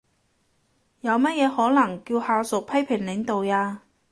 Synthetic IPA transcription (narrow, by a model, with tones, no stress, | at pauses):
jɐ˨˧wmɐ˥t̚jɛː˨˧hɔː˨˥nɐ˨˩ŋkiː˧whaː˨˧wsʊ˨k̚pʰɐ˥jpʰɪ˨˩ŋlɪ˨˥ŋt̪o˨wjaː˧